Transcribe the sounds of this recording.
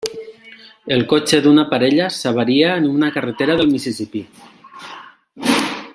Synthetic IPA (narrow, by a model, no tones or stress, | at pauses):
elˠkot͡ʃeðunapaɾeʎasaβ̞aɾiaːnunakaret̪eɾaðəlˠmisisipi